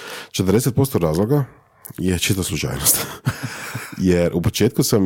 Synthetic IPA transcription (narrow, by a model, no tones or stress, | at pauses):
t͡ʃet̪əɾrd̪eset̪̚po̞st̪oɾaːzlˠoɡa | jet͡ʃit̪aaslˠut͡ʃa̰ːjnost̪ | jeɾʔupot͡ʃeːt̪kusam